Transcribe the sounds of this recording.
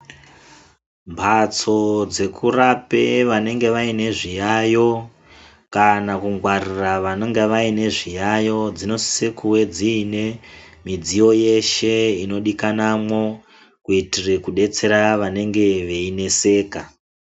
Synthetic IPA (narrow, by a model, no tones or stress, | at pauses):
mbʱat͡so̞d͡ze̞kʰurape̞ʋane̞ŋɡe̞ʋaine̞ʐijajo̞ | kanakuŋɡwariraʋaneŋɡe̞ʋaine̞ʐijajo̞d͡zino̞si̥sekuwe̞d͡ziːnemid͡zijo̞jeʃe̞ino̞ɗikanamo̞ | kuitire̞kuɗe̞t͡se̞ɾaʋane̞ŋɡe̞ʋe̞ine̞se̞ːka